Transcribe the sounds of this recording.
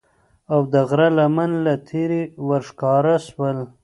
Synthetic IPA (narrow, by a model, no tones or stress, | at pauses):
awd̪əɣɾalamanlat̪ʰeɾiwaɾʂkɑɾaʃwəl